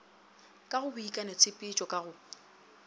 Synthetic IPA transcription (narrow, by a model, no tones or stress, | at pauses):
kʼaɣʊbʊikʼanet͡sʰʼɪpʼɪt͡ʃʼɔkʼaɣʊ